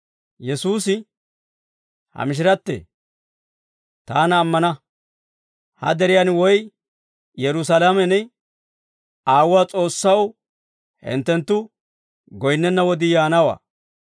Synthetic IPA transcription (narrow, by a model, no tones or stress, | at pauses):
jɛsuːsɪ | hɐ̰mɪʃ̬ɪɾɐt̪ːḛː | t̪aːnɐːmːɐnɐ | hɐ̰d̪ɛɾɪjanwɔj | jɛɾʊsalamɛnɛ | aːwʊwaːt͡sʼo̞ːsːɐw | hɪ̰nt̪ːɛnt̪ːʊ | ɡɔjɪnːɛnːɐwɔd̪ɪjaːnɐwa̰ː